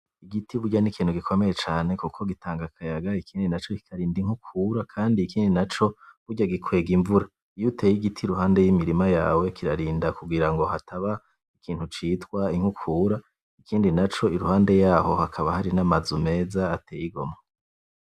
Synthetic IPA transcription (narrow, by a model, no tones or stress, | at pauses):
iɡitiβuɾɟanikʰiːn̥huɡikʰo̞me̞jet͡ʃaːne̞kukʰo̞ɡitʰaːŋɡakʰajaɡaikʰiːndinat͡ʃo̞ki̥kʰaɾiːndiŋ̥hukʰuːɾakʰaːndiːkʰiːndinat͡ʃo̞βuɾɟaɡikʰwe̞ːɡiɱvuɾa | ijutʰeːjiɡitʰiɾuɦaːnde̞jimiɾimajaːwe̞kiɾaɾiːndakuɡiɾaŋɡo̞ɦatʰaβa | ikʰiːn̥hut͡ʃiːtwaiŋ̥hukʰuːɾa | ikʰiːndinat͡ʃo̞iɾuhaːnde̞jaːho̞hakʰaβahaɾinamazume̞ːzaːtʰeːjiɡo̞̰ma